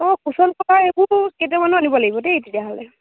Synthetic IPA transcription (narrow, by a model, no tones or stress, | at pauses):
ɔkusɔnkɔtʰaekuketiamanuanibɔlaɡibɔteetidiaɦɔlɛ